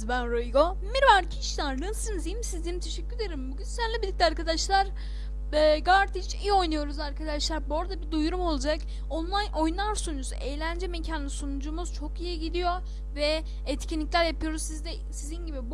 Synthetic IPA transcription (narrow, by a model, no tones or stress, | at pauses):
zbænɾoiɡo | miɾvaɾcʰiʃlaɾnɯsɯnzijimsizd̪it̪ʰe̞ʃɛcʲːyɾed̪eɾimbuɟynsænlʲibid̪ʲic̚ʲlʲɛaɾkad̪aʃlˠaɾ | ɛːɡaɾt̪ʰit͡ʃijo̞jnajo̞ɾuzaɾkʰad̪aʃlˠaɾbo̞ɾad̪abid̪ujuɾumo̞lˠud͡ʒak | onlˠajnʔo̞junlˠaɾsunud͡ʒusṵʔejlʲænd͡ʒɛmecʰanɯsunud͡ʒumuz̥t͡ʃʰo̞kijiɟid̪ijo | vɛ | ɛt̪cʰinlʲiclʲæɾjapʰɯjo̞ɾuzsizd̪ɛ | sizinɟibib